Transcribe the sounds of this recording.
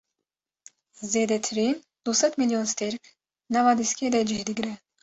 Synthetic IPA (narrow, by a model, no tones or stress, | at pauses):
zɛd̪ɛt̪ʰɾin | d̪̥usɛt̪miliɔnst̪ɛɾkʰ | navad̪iskʲɛd̪ɛd͡ʒihd̪iɡɾɛ